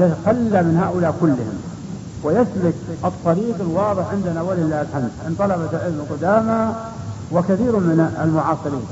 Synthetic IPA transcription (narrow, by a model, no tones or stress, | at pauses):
jɪt̪axalːamɪnhaːʔʊlaːʔkʊlːɪhɪ̰m | wɪjaslʊkʔɨt̪ˤːɑɾiːqɪlwɑːðˤɨħʕɪnd̪anawalɪlːaːhlħamd̪mɪnt̪ˤɑlɑbalʕɪlmɪlqʊd̪aːma | wɪkaθiːɾmɪnalmʊʕɑːsˤɨɾiːn